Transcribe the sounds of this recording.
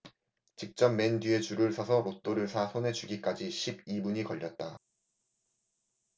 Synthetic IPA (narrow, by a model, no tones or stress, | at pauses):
t͡ɕik̚t͡ɕ͈ʌmme̞ndie̞t͡ɕuɾɯɭsʰʌsʰʌɾot͈oɾɯɭsʰasʰone̞d͡ʑuɡik͈ad͡ʑiɕʰibibuɲikʌʎːʌt̚t͈a